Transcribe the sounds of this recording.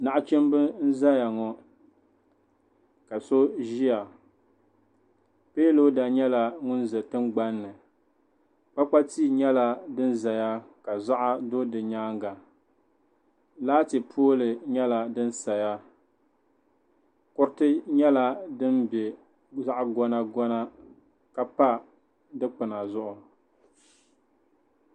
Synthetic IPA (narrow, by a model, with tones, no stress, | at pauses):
na˨ʔʊ˦t͡ʃɛ˦m˦bɨ˦n̩˦za˦ja˨ŋɔ˨ | ka˨so˦ʒi˦ja˨ | peː˦lo˦da˨ɲɛ˦la˨ŋʊ˦nzɨ˨tɨ˦mɡ͡ba˦nːɨ˨ | k͡pa˦k͡pa˦tiː˦˨ɲɛ˦la˦dɨ˦nza˨ja˦ka˨za˦ʔa˦do˦dɨ˨ɲaː˦ŋɡa˨ | laː˦tɪ˨pʰoː˦lɨ˨ɲɛ˦la˨dɨ˦n˦sa˨ja˦ | kʊ˦ɾtɨ˦ɲɛ˦la˦dɨ˦mbɛ˨ | za˦ʔa˦ɡɔ˦na˦ɡɔ˦na˦ | ka˨pa˦ | dɨ˦k͡pɨ˨na˨zʊ˦ʔʊ˨